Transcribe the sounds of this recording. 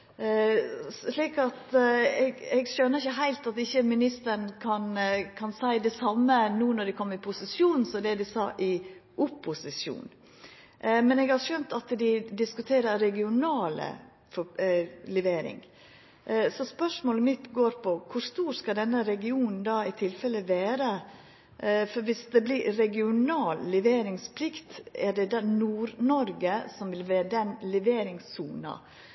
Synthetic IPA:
liːkɑt̪ɛɡɛɡʃœnːəɾɪçːəɦæɪlt̪ɑt̪ɪçːəmɪnɪst̪əɾɳkʰɑnkʰɑnsæɪd̪ɛsɑmːənuːnɔɖ̪ɪkʰɔmːɾɪpʰʊsɪsjuːn̩sɔd̪ɛd̪ɪsɑ̰ːʔɪʔʊpʰːʊsɪsjṵːn | ʔmɛnɛɡhɑɾʂœnt̪ɑt̪d̪ɪd̪ɪskʉt̪ʰeːɾəɾɛɡɪʊnɑːlə̰ | fɔlɛʋeːɾɪ̰ŋ | sɔspœʂmoːləmɪt̪ɡoːɾpʰɔkʰʊɾst̪uːɾskɑd̪ɛnːəɾɛɡɪuːnn̩d̪ɑːɪt̪ʰɪlfɛlːəʋæːɾə | fɔɾʋɪsd̪ɛblɪɾɛɡɪʊnɑːlːɛʋeːɾɪŋspʰlɪkt̪æɖɛd̪ɛnuːɾnɔɾɡəsɔmʋɪlʋeːd̪ɛnlɛʋeːɾɪŋsuːnɑ̰

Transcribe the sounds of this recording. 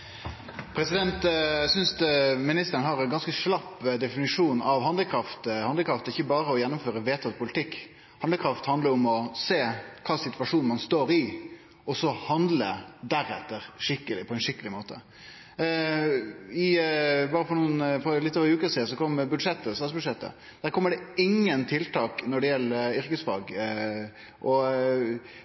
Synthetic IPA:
pʰɾɛsɪd̪ɛnt̪sʏnsmɪnɪst̪əɾnɦɑɾɛnɡɑnskəʂlɑpːd̪ɛfɪnɪʂuːnɑʋhɑnd̪əkʰɾɑft̪hɑnd̪əkʰɾɑft̪ɛɪçːəbɑːɾəɔjɛnːɔmføːɾəʋeːt̪ʰət̪̚pʰʊlɪt̪ʰɪkː | hɑnd̪əkʰɾɑft̪hɑnd̪ləɾɔmɔseːkʰɑːsɪt̪ʋɑʂuːnmɑnst̪oːɾɪ | ɔsɔhɑnd̪lə̰d̪æɾɛ̰t̪ːəɾʂɪkːəlɪpʰɔɛnʂɪkːəlɪmoːt̪ə̰ | ɪbɑːɾəfɔɾɳuːənfɔɾlɪt̪ːoːʋəɾʉːkəsiːd̪əsɔkʰɔmːbʉd̪ʂɛt̪ːəsɑsbʉd̪ʂɛt̪ːə̰ | d̪̥æːɾkʰɔmːəɖɛɪŋːənt̪ʰɪlt̪ʰɑːknɔɖɛjɛlːəʏɾkəsfɑ̰ːɡ | ʔɔ

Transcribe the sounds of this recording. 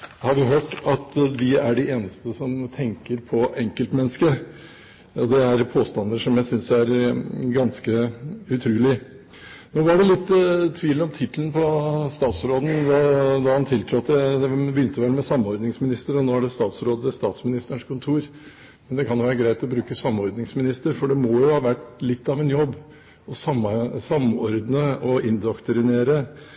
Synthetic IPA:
hɑɾʋɪɦøːʈɑt̪d̪ɪæɖɪʔeːnəst̪əsɔmt̪ʰɛŋkəɾpʰɔʔɛŋkəlt̪mɛnːəskə | ɔd̪ɛæɾpʰoːst̪ɑnd̪əʂɔmjæɪsʏnsæɾɡɑnskəʉt̪ʰɾʉːlɪ | noːʋɑɖɛlɪt̪ːt̪ʰːʋiːlɔmt̪ʰɪt̪əlnpʰɔst̪ɑːt̪sɾoːd̪n̩ʋ̪ɑd̪ɑhɑnt̪ʰɪlt̪ʰɾɔt̪d̪ɛd̪ɛbjʏnt̪əʋɛlmɛsɑmɔɾd̪nɪŋsmɪnɪst̪əɾɔnoːæɖɛst̪ɑːt̪sɾoːd̪əəst̪ɑːt̪smɪnɪst̪əɳʂkʰʊnt̪ʰuːɾ | mɛnd̪ɛkʰɑnjʊʋæːɾəɡɾæɪt̪ɔbɾʉːkəsɑmːɔɾd̪nɪŋsmɪnɪst̪əɾfɔɖɛmɔːjʊhɑːʋæʈːlɪt̪ːɑʋɛnjɔbː | ɔsɑmsɑmːɔɾd̪nəɔɪnd̪ɔkt̪ɾɪneːɾə

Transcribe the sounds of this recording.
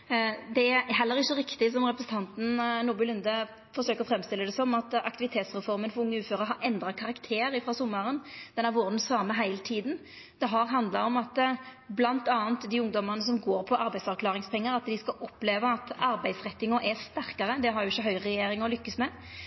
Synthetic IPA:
d̪ɛææɦɛlːəɾɪçːəɾɪkt̪ɪsɔmɾɛpɾəsət̪ʰɑnt̪n̩nuːbʉlʉnd̪ə | fɔɾʂøːkəʁɔfɾɛmst̪ɪlːəd̪ɛsɔmɑt̪ɑkt̪ɪʋɪt̪ʰeːt̪sʁɛfɔɾmənfɔɾʊŋːəʉːføːɾəɦɑɾɛnd̪ɾɑkʰɑʁɑkt̪ʰeːɾɪfɾɑsʊmːɑɾənd̪̥ɛnːæʋɔɾd̪n̩sɑːməɦæɪlət̪ʰiːd̪n | d̪̥ɛɦɑɾɦɑnd̪lɑɾɔmɑt̪blɑnt̪ɑːənt̪d̪ɪʊŋd̪ɔmɑʁnəs̬ɔmɡoːɾpʰɔʔɑɾbæɪd̪sɑʁkʰlɑːʁɪŋspʰɛŋːəɾɑt̪d̪ɪskɑʔɔpːleːʋəɑt̪ɑɾbæɪd̪sʁɛt̪ːɪŋɔʔæst̪æɾkɑɾəd̪ɛɦɑɾjʊɪçːəɦœʏʁɛjeːɾɪŋɔlʏkːəsmɛ

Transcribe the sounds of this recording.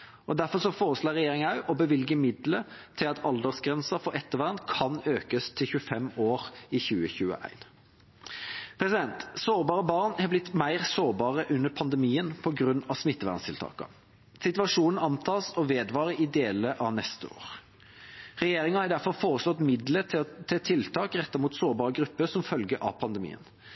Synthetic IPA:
ʔɔd̪æʁfɔʁsɔfoːʁəsloːʁɛjeːɾɪŋɑʉʔɔbəʋɪlɡəmɪd̪lət̪ʰɪlɑt̪ʰɑld̪əʁsɡʁɛnsɑfɔɾɛt̪ːəʋæʁnkʰɑnøːkəst̪ʰɪlçʉəfɛmoːʁɪçʉːəçʉːə̰ʔæ̰ɪn | pʰʁɛsɪd̪ɛnt̪soːʁbɑːʁəbɑʁnhɑblɪt̪mæɪʁsoːʁbɑːʁəʔʉnːəpʰɑnd̪ɛmiːənpʰɔɡʁʉnːɑsmɪt̪ːəʋæ̰ʁnst̪ʰɪlt̪ʰɑ̰ːkɑ̰ | sɪt̪ʉɑʂuːnn̩ɑnt̪ʰɑːsɔʋeːd̪ʋɑːʁəʔɪd̪eːləʔɑʋnɛst̪əoːʁ | ʁɛjeːɾɪŋɑhɑɾd̪æfɔʁfoːʁəslɔt̪mɪd̪lət̪ʰɛt̪ʰɪlt̪ʰɑːkʁɛt̪ːɑmuːt̪soːʁbɑːʁəɡɾʉpːəsɔmfœlɡəʔɑ̰pʰɑnd̪əmḭːə̰n

